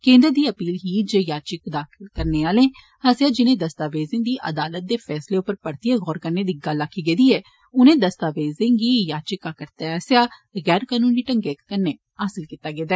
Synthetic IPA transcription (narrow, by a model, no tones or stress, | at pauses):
kẽːnd̪əɾd̪iːəpiːlɦiːd͡ʒeːjaːt͡ʃɪkd̪aːkʰɪlkəɾneːaːlẽː | həsɪjaːd͡ʒɪnẽːd̪əst̪aːʋeːzɪ̃ːd̪iːʔə̰d̪aːlət̪̚d̪eːfʰɛːsleːʊpəɾpəɾt̪ijaɣɔːɾkəɾneːd̪iːɡəlːaːkʰːiːɡeːd̪iːɛː | ʊnẽːd̪əst̪aːʋeːzẽŋɡiːjaːt͡ʃɪkaːkəɾt̪eːɦəsjaːɣɛːɾkaːnũːniːʈəŋɡeːkəɾneː | aːsɪlkiːt̪ːaːɡeːd̪aɛː